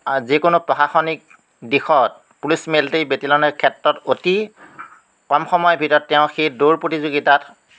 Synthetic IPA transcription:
zikʊnʊpɹɔxaxɔnik̚ | dixɔt̚ | pulismeltejbetilɔnɛkʰɛtɹɔtoti | kɔmxɔmɔjɔbʱitɔtːɛʊ̃xeduɹpɹotizoɡitat

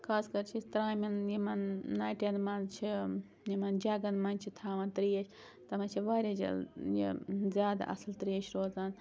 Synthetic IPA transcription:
kʰaːskɐɾt͡ʃʰit̪ɾaːmɐnjimɐnnaːjʈenmɐnt͡ʃʰi | jimɐnd͡ʒɐɡɐnmɐnʲt͡ʃʰit̪ʰaːʋɐnt̪ɾijɐʃʰʲ | t̪ɐmɐnt͡ʃʰiʋaːɾʲɐd͡ʒɐ̰ljḭzʲjaːd̪a̰ʔɐ̰slt̪ɾijɐʃʰʲɾoːzaːn

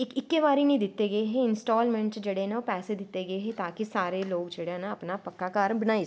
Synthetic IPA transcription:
ɪkɪkːeʋaːɾinĩːd̪ɪt̪ːeɡəeɦeɪnsʈɔːlmɛ̃ɳʈd͡ʒeːɽenaoːpɛːsed̪ɪt̪ːeɡəeɦeːt̪aːkisaːɾeloːɡd͡ʒeːɽenaəpnapəkːakaːɾbənaːi

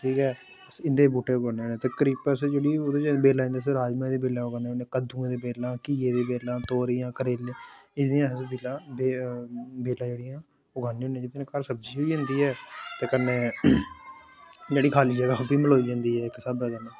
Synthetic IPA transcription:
ʈʰiːkɛː | sɪnd̪eːbuːʈːeːboneːneːt̪eːkəɾiːpəsed͡ʒeːɽiːoːd̪eːd͡ʒbeːlãːnd̪iːs̬ɾaːd͡ʒmaẽːd̪eːbeːlãːʊɡaːneːoːnẽːkəd̪ũːẽːd̪eːbeːlãːkiːeːd̪eːbeːlãːt̪oːɾiːjãːkəɾeːleɪsd̪ijãsbeːlaːbe | beːlãːd͡ʒeːɽɪjãː | ʊɡaːneːɦõːnẽd͡ʒɪd̪inãkəɾsəbd͡ʒiːɦoːiːd͡ʒə̃ːnd̪iːɦɛːt̪eːkənːeː | d͡ʒeːɽiːkʰaːliːd͡ʒəɡabiːməloːiːd͡ʒãːnd̪iːɛːɪksəbɛːkəneː

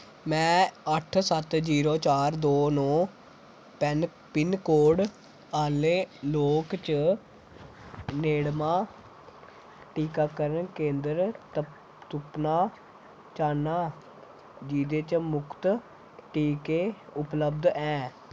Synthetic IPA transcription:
mɛ̃ːəʈʰsət̪d͡ʒiːɾoːt͡ʃaːɾd̪oːnɔː | pɛn | pɪnkoːɽ | aːleːloːkt͡ʃə | neːɽmaː | ʈiːkaːkəɾənkẽːnd̪əɾ | t̪ʊpnaː | t͡ʃaːnaː | d͡ʒiːd̪eːt͡ʃmʊkʰt̪ | ʈiːkeːʊpləbd̪ɛ̃ː

